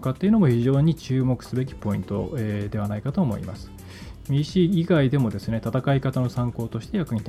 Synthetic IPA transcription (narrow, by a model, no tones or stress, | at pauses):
kat̪ːeiɯ̟nomo̞çiʑo̞ːɲ̟it͡ɕɨːmo̞kɯ̟̥sɨbe̞kʲi̥po̞ĩnt̪o̞̰ed̪e̞βanaikat̪o̞ːmo̞̰ḭma̰sɨ̥ | mʲiɕiːiɡaid̪e̞mo̞d̪e̞sɨne̞t̪at̪akaikat̪ano̞sãŋko̞ːt̪o̞ɕi̥t̪e̞jakɯ̟ɲ̟it̪a